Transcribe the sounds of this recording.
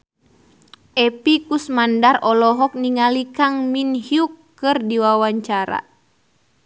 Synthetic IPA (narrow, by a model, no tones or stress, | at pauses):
ʔɛpikusmandarɔlɔɦɔk̚niŋalikaŋminhiukːɨrdiwawaɲt͡ʃaɾa̰